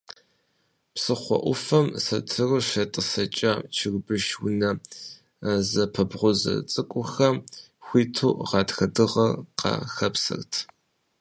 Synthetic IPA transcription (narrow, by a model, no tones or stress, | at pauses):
psɨχʷɔ̰ʔʷʊfɐmsɐtʰɨrɨʃɐtʼɨsɐt͡ʃʼɐt͡ʃʰɪrbɨʃwʊnɐ | zɐpʰɐbʁʷʊzɐ̰t͡sʼɨkʷʼʊxɐm | xʷiːtʰuːʁɑːtxɐdɨʁɐqɐ̰xɐpsɐ̰rtʰ